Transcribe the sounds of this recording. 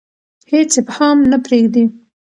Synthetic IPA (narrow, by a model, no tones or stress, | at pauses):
het͡sephɑmnapɾeɡd̪i